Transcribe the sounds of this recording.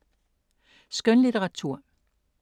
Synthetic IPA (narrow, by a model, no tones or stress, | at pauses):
sɡ̥ønlidʰeʁɑ̈t͡sʰuɐ̰